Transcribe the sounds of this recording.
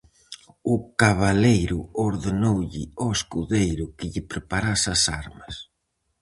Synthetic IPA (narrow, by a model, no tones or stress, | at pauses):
ʊkaβalejɾʊoɾðenowʎɪ̰ɔeskuðejɾʊkɪʎɪpɾepaɾasɐsaɾmɐs